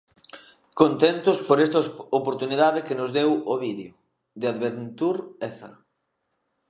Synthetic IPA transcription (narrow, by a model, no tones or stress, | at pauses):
kont̪ent̪ʊspoɾɛst̪ɐopoɾt̪uniðaðɪkɪnʊzðewoβiðjo | d̪ɪaðβent̪uɾɛθɐ̰